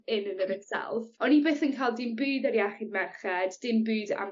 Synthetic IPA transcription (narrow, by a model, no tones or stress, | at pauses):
ɪnənəɾɪtsɛ̰lˠfɔnibeːθənkʰajlˠdɪnbɨːdaɾiaχɪdmɛrχɛdːɪnbʉːda̰m